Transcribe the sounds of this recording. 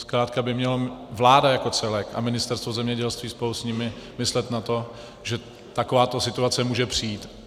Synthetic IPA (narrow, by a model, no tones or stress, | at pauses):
skɾaːt̪̚kabɪmɲɛlovlaːdajako̞t͡sɛlɛka̰mɪnɪst̪ɛɾst̪vozɛmɲɛɟɛlst̪viːspolusɲɪmɪmɪslɛt̪nat̪o̞ | ʒɛ | t̪ako̞vaːt̪osɪt̪uat͡sɛmuːʒɛpr̝̥ɪiːt̪